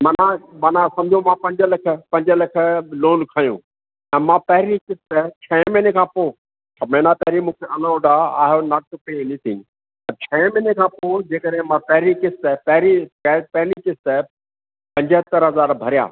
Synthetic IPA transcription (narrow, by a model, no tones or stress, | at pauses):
mɐnãmɐnãsɐ̃md͡ʑʱõmãpɐ̃ɲd͡ʑəlɐkʰəpɐ̃ɲd͡ʑəlɐkʰə̆loːnkʰaːjṵ̃ː | ɛ̃ːmãpɐɦɪɾikɪst̪ət͡ɕʰɛːmɪnekʰãːpoː | sʰɐbɽẽnapɛɦɾimũːkʰeʔɐlaːɖaa̰ːɦjonaʈʊpeɪnit̪ʰɪ̰̃ŋɡ | ɐt͡ɕʰɛːmɪnekʰãːpoːd͡ʑeːkəɗɦẽmãpɛɦɾikɪst̪əpɛɦɾipɛpɦɪnikɪst̪ə | pɐ̃ɲd͡ʑət̪əɾɦɐzaːɾbʱɐɾja̰ː